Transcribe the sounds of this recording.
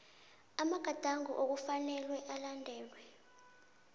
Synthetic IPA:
amaɡ̥ʱad̥ʱaŋṵʔok̬ufanɛlwɛʔalandʱɛːlwɛ

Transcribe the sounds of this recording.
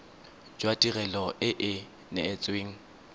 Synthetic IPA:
d͡ʒwatʼirɛlɔʔɪʔɪ | nɪːt͡sʼweːŋ̩

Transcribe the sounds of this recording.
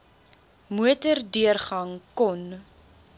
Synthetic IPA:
muətərdyərχɐŋkɔn

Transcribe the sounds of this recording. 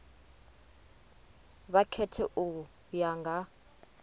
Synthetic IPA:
βakʰɛtʰɛʔʊ | jaŋɡʱa

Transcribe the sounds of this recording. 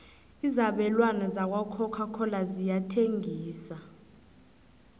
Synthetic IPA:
izaɓɛlwanɛzak̬wakʰɔkʰakʰɔlazijatʰeŋʱiːsa

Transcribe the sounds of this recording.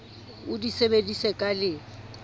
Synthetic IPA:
ʊdisebedisɛkʼalɪ

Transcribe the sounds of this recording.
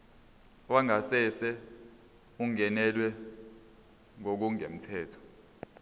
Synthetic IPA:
waŋasɛsɛ | uŋɛnɛlwɛ | ŋok̬uŋem̩tʰɛːtʰɔ̥

